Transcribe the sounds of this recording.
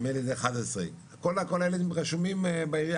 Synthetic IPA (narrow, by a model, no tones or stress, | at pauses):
meled̪eːχad̪asʁḛakolakolaeled̪imʁaʃumimba